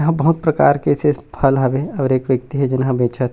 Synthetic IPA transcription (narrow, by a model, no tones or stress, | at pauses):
ɦãbɐɦʊt̪̚pɾɐka̰ːɾkesespʰɐlɦaʋeɔːɾeːkʋjəkt̪iɦɛd͡ʒɪnɦãbeːt͡ʃa